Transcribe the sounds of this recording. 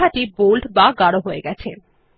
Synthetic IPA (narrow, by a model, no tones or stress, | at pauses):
aʈibulʈbaɡaɽoɦoeɡɛt͡ɕʰe